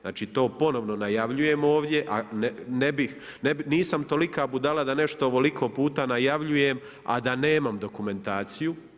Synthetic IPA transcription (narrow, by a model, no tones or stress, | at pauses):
zaːt͡ʃiːt̪o̞ːpo̞no̞ʋno̞najaʋʎuje̞mo̞ːʋd̪je̞ʔannebixnebiniːsamt̪o̞likaːbud̪alad̪ane̞ʃt̪oʋolikʰo̞puːt̪anajaʋʎuje̞m | a̰d̪ane̞ːmamd̪o̞kume̞nt̪aːt̪siju